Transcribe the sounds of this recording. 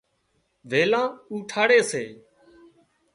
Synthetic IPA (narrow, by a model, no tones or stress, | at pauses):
ʋeːlãːuːʈʰaːɽeːseː